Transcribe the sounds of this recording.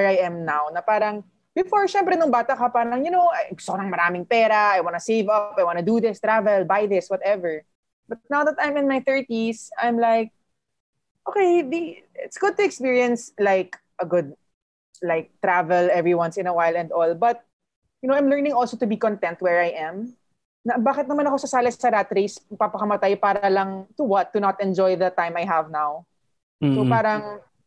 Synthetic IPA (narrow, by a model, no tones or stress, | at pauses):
wɛɹajɛ̃mnawnɐpaːɾɐŋ | bɪfɔɹʃɛ̃mpɾɛnʊŋbaːt̪ɐkɐpaːɾɐŋjʊnowʔajɡʊst̪okonɐŋmɐɾaːmɪŋpɛːɾɐajwanɐseɪvɐpajwãnʊd̪uðɪst̪ɹavɛlbajðɪswɐt̪ɛvəɹ | b̥ɐt̪̚naw̪ɐt̪ːãj̃mɪ̃nmajθɜɹt̪isãjmlaɪk̚ | ʔokejd̪i | ɪt̪sɡ̥ʊd̪̚t̪ʊɛkspiɹiɐ̃nslaɪk | ʔɐɡʊd̪̚ | laɪk̚t̪ɾavɛlɛvɹiwɐ̃nsɪ̃nɐwajlɛ̃nd̪ɔlbɐt̪̚ | jʊnowãj̃mlɛɹnɪ̃ŋɔlsot̪ʊbikɔ̃nt̪ɛ̃nt̪̚wɛɹajʔɛ̃m | nɐbaːkɪt̪̚nɐmɐnɐkosɐsaːlɐssɐɾat̪ɾejspapɐkɐmɐt̪ajpaːɾɐlɐŋt̪ʊwɐt̪ːʊnɐt̪ɛ̃nd͡ʒɔjðɐt̪ãɪ̃majɦɐvnaw | sopaːɾɐŋ